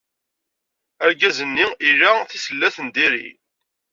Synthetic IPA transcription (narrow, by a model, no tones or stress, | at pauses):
æɾɡæzənːiiɾæθisəlːæθənd̪iɾḭ